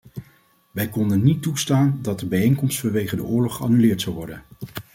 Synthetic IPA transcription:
ʋɛjkɔndənitːustaːndɑt̚dəbɛjejŋkɔmstfɑnʋejχədə̰ʔʊːɹlɔχɑ̰nylɪːɹtsɑwʋɔɹdə̰n

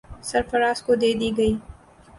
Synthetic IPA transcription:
sɐɾfɐɾɑːskod̪ed̪iɡəi

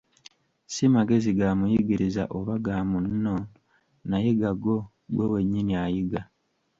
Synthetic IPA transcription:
simaɡe̞ziɡamujiɡiɾiza̰ʔoβaɡaːmunːo̞ | najiɡaɡo̞ | ɡwowe̞ɲːiniajiɡa

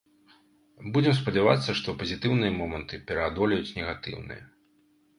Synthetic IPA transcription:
bud͡zʲɛmspɐd͡zʲava̰t̪sːɐʂt̪ɔpɐzʲit̪ɨwnɨjɐmɔmɐnt̪ɨpʲɛɾɐad̪ɔlʲɛjut͡sʲnʲɛɣat̪ɨ̰wnɨ̰jɛ̰

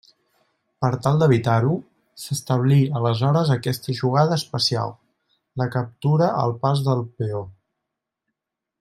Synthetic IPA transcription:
pəɾt̪alˠd̪əβ̞it̪aɾu | səst̪əβ̞liələzɔɾəzəkɛst̪əʒuɣ̞að̞əːspəsia̰lˠ | ləkəp̚t̪uɾəʔə̰lˠpazðəlˠpeo

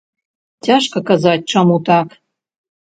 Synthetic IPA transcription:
tʲɑʃkɤ̆kɑzɑt̚ʲt͡ʃɤ̆mut̪ɑk

